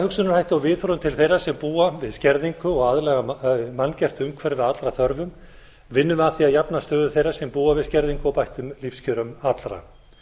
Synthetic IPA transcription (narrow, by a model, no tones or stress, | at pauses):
hʏksʏnʏɾ̥hajht̪awvɪðθfɾɔʏmt̪ʰɪlθejrasɛmpuːavɪðscɛɾðiŋkʏɔɣaðlɛɣamanːcɛr̥t̪ʏmkʰvɛɾvɪðat̪lɾaθœɾvʏm | vɪnːʏmaθiaðjapnast̪œːðʏ̥θejɾːasɛmpuːavɪðscɛɾðiŋkʏɔwpajht̪ʏmlifscʰœɾʏmat̪lɾa̰